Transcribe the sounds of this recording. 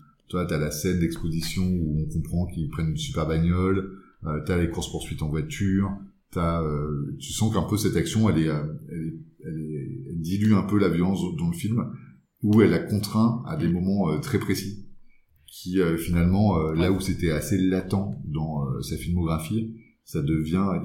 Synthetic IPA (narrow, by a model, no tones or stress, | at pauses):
t̪ywat̪yalasɛnd̪ɛkspozisjɔ̃uɔ̃kɔ̃pχɑ̃kilpχɛnynsypɛʁbaɲɔl | øt̪yalekuʁspuʁsɥit̪ɑ̃vwat̪ʰyʁt̪aøt̪ysɑ̃kɛ̃pøsɛt̪aksjɔ̃ɛlɛøɛlɛɛlɛɛld̪ilyɛ̃pølavjɔlɑ̃sd̪ɑ̃ləfilm | uɛlakɔ̃t̪χɛ̃a̰d̪emɔmɑ̃øt̪χɛpχesi | kʲʰiøfinalmɑ̃ølauset̪ɛaselat̪ɑ̃d̪ɑ̃ø̰safilmɔɡʁafi | sad̪əvjɛ̃